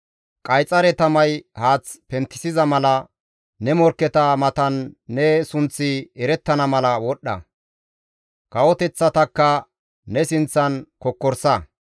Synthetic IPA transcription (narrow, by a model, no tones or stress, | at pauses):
kʼɐjt͡sʼːɐɾɛt̪ɐmɐjhaːt͡spɛnt̪ːɪ̥sɪzɐmɐlɐ | nɛmɔɾkːɛt̪ɐmɐt̪ɐnːɛsʊnt͡sːɪɛɾɛt̪ːɐnɐmɐlɐwɔɗːɐ̰ | kɐwɔt̪ɛt͡sːɐt̪ɐkːɐ | nɛsɪnt͡sːɐnkɔkːɔɾsɐ